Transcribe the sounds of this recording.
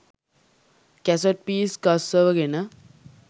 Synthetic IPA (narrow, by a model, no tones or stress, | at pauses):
kɛsoʈ̚piːskassəːʋəɡenə